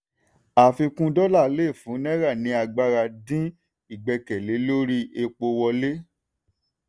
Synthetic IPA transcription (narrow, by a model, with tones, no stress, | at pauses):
a˨fi˧kũ˦dɔ˦la˦˨˦le˦˨fũ˨˦nɛ̃˦ɾa˦˨nĩ˨˧˦a˧ɡ͡ba˦ɾa˧dĩ˦ | i˦˨ɡ͡bɛ˧kɛ˨le˨˦lo˦ɾi˦e˧k͡po˧wɔ˧le˦